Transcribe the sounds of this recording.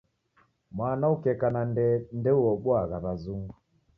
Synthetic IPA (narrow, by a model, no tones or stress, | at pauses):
mwanaukɛkanaɛndɛuɔɓwaɣaβazuŋɡu